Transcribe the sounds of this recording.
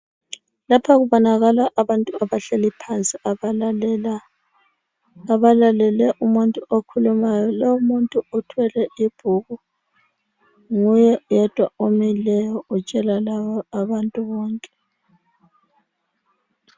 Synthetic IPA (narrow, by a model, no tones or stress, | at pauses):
lapʰaɣuβɔnaɣalaʔaβantʼuaβaɬelipʰant͡sʼia | a | aβalalɛlɛʔumuntʼuʔokʰulumajɔlowumuntʼuutʰwɛlɛʔib̥ʱuɣu | ŋujɛjɛd̥ʱwaomilɛjɔut͡ʃʼɛlalaβɔaβantʼuβɔːŋkʼɛ̥